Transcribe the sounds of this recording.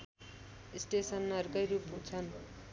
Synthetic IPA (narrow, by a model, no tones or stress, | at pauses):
isʈesʌnːʌrkʌjɾupɦũt͡sʰʌn